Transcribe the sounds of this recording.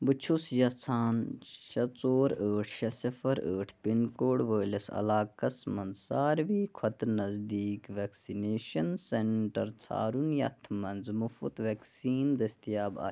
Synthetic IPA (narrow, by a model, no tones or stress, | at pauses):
bɨt͡ʃʰusjɐt͡sʰaːnʃɐt͡soːɾəːʈʰʃɐsifʰɐɾə̰ːʈʰpinkoːɽʋəːlɐsɐ̰laːkɐsmɐnzsaːɾʋiːkʰɐt̪nɐzd̪iːkʋeksineːʃɐnseɳʈɐɾt͡sʰa̰ːɾunjɐ̰t̪ʰmɐnzmufṵt̪ʋeːksiːnd̪ɐst̪ijaːba̰ː